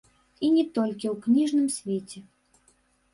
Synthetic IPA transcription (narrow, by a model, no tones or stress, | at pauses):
inʲɛt̪ɔlʲkʲiwknʲiʐnɨmsʲvʲet͡sʲɛ